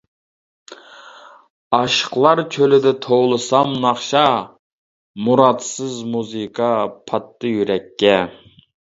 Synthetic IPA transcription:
ɑʃə̥qlˠɑɾkʲʰølɪd̪ɪt̪ʰowlˠɨsɑmnɑχʃɑ | muɾɑd̪sɨzmuzɨkʰɑpʰɑt̪ʰːɨjyɾɛkʲʰːɛ

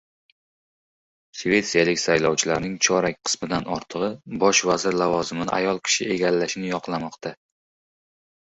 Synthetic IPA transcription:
ʃvʲe̞t̪sijalɪkʲsajlɒwt͡ʃʰɪlaɾnɪŋt͡ʃʰɒɾakʲqʰɨ̥smɪd̪anɒɾt̪ʰɨʁɨbɒʃvazɪɾlavɒzɪmɪnɪ̰ʔa̰jɒlˠkʲʰɪ̥ʃɪʔe̞ɡʲalːaʃɪnɪjɒqlˠamɒqt̪ʰa

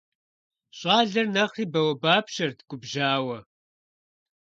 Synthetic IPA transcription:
ɕʼɑːɮɐrnɐʁiːbɐwɐbaːpʃɐrtʰɡʷʼʊbʒaːwɐ

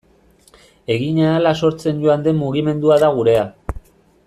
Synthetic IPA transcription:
e̞ɣiɲaalaso̞ɾt͡se̞nɟo̞and̪e̞muɣime̞nd̪uaðaɣ̞uɾe̞a

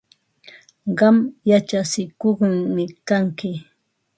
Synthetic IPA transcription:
ɢɑmjat͡ʃasɪkoχmɪkaŋkɪ

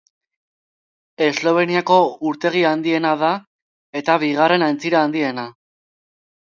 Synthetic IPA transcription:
e̞zlo̞β̞e̞niako̞uɾt̪e̞ɣ̞iand̪ie̞naða | e̞t̪aβiɣ̞are̞naent͡siɾaːnd̪ie̞na

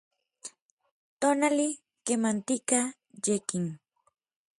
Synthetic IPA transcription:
t̪onalɪ | kemant̪ɪka | ʎekɪŋ

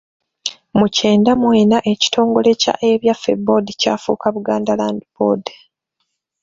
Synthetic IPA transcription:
muce̞ːndamwe̞ːnaʔe̞ci̥tʰo̞ːŋɡo̞le̞ca̰ʔe̞βjafḛbodica̰ːfṵːkaβuɡaːndalaːndibo̰d

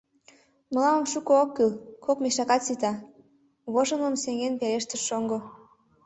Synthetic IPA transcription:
mə̆lɑmə̆mʃukookːylkʰokmeʃɑkɑt̪sit̪ɑ | βoʒə̆məmseŋenpeɾeʃt̪ə̆ʃʃoŋɡo

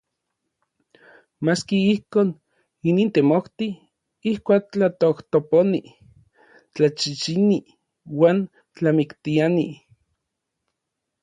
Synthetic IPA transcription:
maːskiihkoːn | iniːnt̪emoht̪i | ihkʷaːk̚t͡ɬat̪oht̪oponi | t͡ɬat͡ʃit͡ʃini | waːn | t͡ɬamikt̪iani

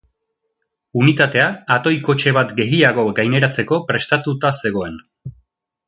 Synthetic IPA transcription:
unit̪at̪e̞aːt̪o̞jko̞t͡ʃe̞βat̪ɡe̞ɣiaɣo̞ɡajne̞ɾat͡se̞ko̞pɾe̞st̪at̪ut̪ase̞ɣ̞o̞e̞n

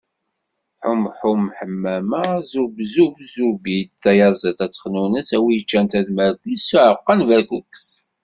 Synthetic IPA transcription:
ħʊmħumħəmːæmæzubzubzubid̪θæjɑzˤət̪æt͡sːə̥χnunəsæwijət͡ʃːænt̪æðmæɾklisːuʕəqːənvæɾkuks

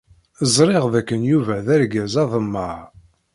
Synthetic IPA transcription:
zˤɾˤiʁðækːənjuvæðæɾɡæzɑðˤəmːə

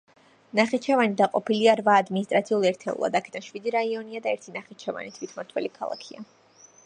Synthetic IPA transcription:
naχit͡ʃʰɛvanid̪aqʼɔpʰiliaɾvaːd̪minist̪ʼɾat̪sʰiulˠɛɾt̪ʰɛ̰ṵlˠa̰d̪akʰɛ̥d̪anʃwid̪iɾaiɔniad̪aɛɾt̪ʰinaχit͡ʃʰɛva̰nit̪ʰwit̪ʰmɔɾt̪ʰwɛ̰likʰa̰lˠa̰kʰia̰

